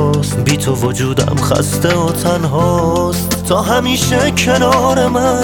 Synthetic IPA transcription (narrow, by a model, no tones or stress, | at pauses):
st̪biːt̪ʰovod͡ʒuːd̪æ̰mχæ̰st̪eot̪ʰænɦɔːst̪ʰɒːɦæmiːʃekʰenɒːɾemæ